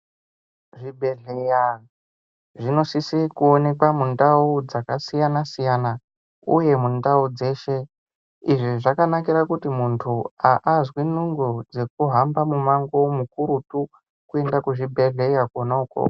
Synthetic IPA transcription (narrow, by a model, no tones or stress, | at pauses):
ʐibʱe̞ɮeja | ʐino̞sisikuone̞kwamundaud͡zakasijanasijana | uje̞mundaud͡ze̞ʃe̞ | iʐiʐakanakiɾakutimuntʰuaʔazwinuŋɡod͡ze̞k̚uɦambamumaŋɡo̞mukuɾutu | kue̞ndakuʐibʱe̞ɮe̞jakwonauko̰